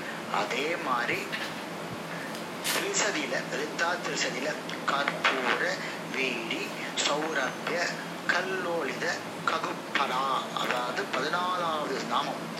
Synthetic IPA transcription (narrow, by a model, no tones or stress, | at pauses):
ɐ̰ðeːmaːd̪ɾi | sɾisɐðɪlɐɾɪt̪ːaːt̪ːɪɾsɐðɪlɐ | kɐɾpuːɾɐ | ʋiːɽi | sɐʊɾɐpːjɐ | kɐlːoːɭɪðɐ | kɐðɯpːɐnaːɐ̰ðaːʋɐðɯpɐðɪnaːlaːʋɐðɯɾnaːmɐ